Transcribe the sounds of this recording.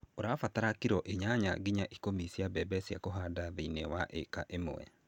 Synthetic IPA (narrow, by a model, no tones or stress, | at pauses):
oɾafataɾakiɾɔʔeɲaɲa̰ɡiɲaʔikomisiabɛbɛsjakoɦadaðinewaʔḛkaʔemo̰ɛ̰